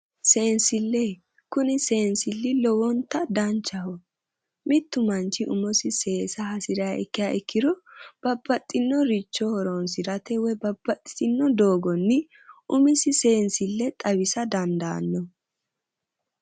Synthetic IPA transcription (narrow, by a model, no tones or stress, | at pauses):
se̞ːnsɪlːe | kʊnɪseːnsɪlːɪlɔwɔnt̪ːɐd̪ɐnt͡ʃːɐhɔ | mɪt̪ːʊmɐnt͡ʃɪʔʊmɔsɪse̞ːsɐhɐsɪɾɐjaʔɛkːɪjaʔɛkːɪd̪ɔb̥ɐbːɐt̪ʼːɪnːɔɾit͡ʃːɔhɔɾɔnsɪɾɐt̪ɛwɛbɐbːɐt̪ʼːɪ̥t̪ɪnːɔd̪oːɡɔnːɪ | ʔʊmɪsɪse̞ːnsɪlːɛt̪ʼɐβɪsɐd̪ɐnd̪a̰ːnːɔ